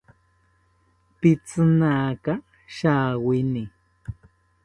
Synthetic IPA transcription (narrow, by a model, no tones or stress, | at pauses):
pɪt͡sɨnaːka | ʃaːwɪnɪ